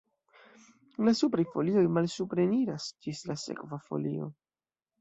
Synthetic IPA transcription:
lasupɾajfo̞lio̞jmalsupɾeniɾasd͡ʒislase̞̰kvafo̞̰lio̞̰

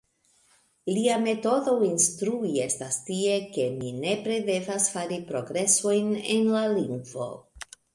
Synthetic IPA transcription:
liame̞to̞do̞instɾuie̞stastie̞ke̞mine̞pɾe̞de̞vasfaɾipɾo̞ɡɾe̞so̞jne̞̰nlaliŋɡvo̞̰

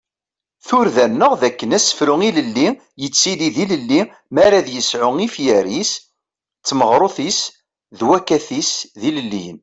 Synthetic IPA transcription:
θʊɾðænːəʁðækːənæsə̥fɾʊŋiləlːi | jət͡sːiliðiləlːi | mæɾæðjəsʕʊŋifjəɾis | t͡sːməʁɾˤoθis | ðwækːæθisðiləlːin

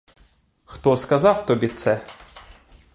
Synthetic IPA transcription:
xt̪ɔskɐzɑwt̪ɔbʲit̪sɛ

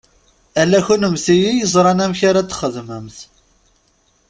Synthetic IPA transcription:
ælːæçunəmθijijəzˤɾˤɑnæmçaɾæt͡s̪ːχəðməmθ

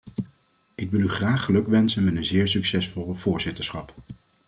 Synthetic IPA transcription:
ɪkʋɪlˠyχraːχəlɵkʋɛnsənmɛtənzɪːɹsyksɛsfolˠəv̥ʊːɹzɪtəɹsχɑp

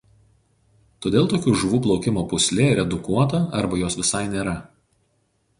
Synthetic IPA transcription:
t̪oːd̪ʲeːlˠt̪oːkʲuːʒʊʋuːplˠɒʊkʲɪmoːpʊsʲlʲeːɾʲɛd̪ʊkuɔt̪ɐɐɾbɐjoːsʋʲɪsɐɪnʲeːɾɐ

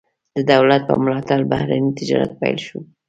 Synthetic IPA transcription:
d̪̥əd̪awlat̪̚pə̰mlɑt̪albahɾanit̪ɪd͡ʒɑ̰ɾa̰t̪̚pa̰jlʃu

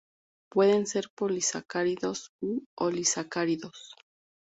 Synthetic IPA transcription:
pwe̞ðe̞nse̞ɾpolisakaɾiðo̞suolisakaɾiðo̞s

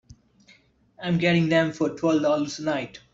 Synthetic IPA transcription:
ãɪ̃mɡɛɾɪ̃ŋd̪ɛ̃mfɔɾʈʰwɛlʋdɔləɾsənaɪʈ

